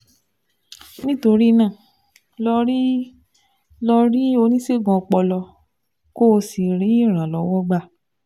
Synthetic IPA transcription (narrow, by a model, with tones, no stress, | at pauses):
nĩ˦to˧ɾi˦˧nãː˦˨ | lɔ˧ɾi˦ | lɔ˧ɾi˦o˧nĩ˦se˦˨ɡɔ̃˧k͡pɔ˧lɔ˧ | ko˦˧si˨ɾi˨˦i˦˨ɾ̃ã˨lɔ˨˦wɔ˦ɡ͡ba˦˨